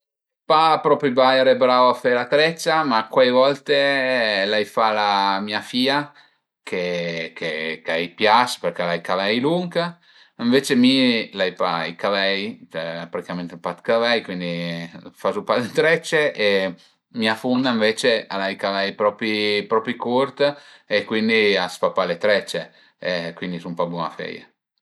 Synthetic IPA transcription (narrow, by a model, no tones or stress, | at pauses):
papɾɔpɾibajɾebɾawafejlat̪ɾɛt͡ʃːamakwajvɔlt̪elajfalamiafiːa | kʰekʰekaɛjpjasperkelajkavɛjluŋka | iɱveːt͡ʃemilajpa̰ikavɛjt͡ʃɛpɾat̪i̥kament̪epat̪kavɛjkwind̪ifasupalet̪ɾɛt͡ʃːee | miafund̪aiɱvet͡ʃealajkavɛjpɾɔpɾipɾɔpɾikoɾt̪ekːwind̪iaspapːalet̪ɾɛt͡ʃːe | kwind̪isumpabua̰fɛ̰ja̰